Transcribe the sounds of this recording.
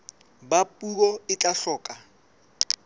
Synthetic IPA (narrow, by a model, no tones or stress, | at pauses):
bapʼukɔɪt͡ɬʼaɬɔːkʼa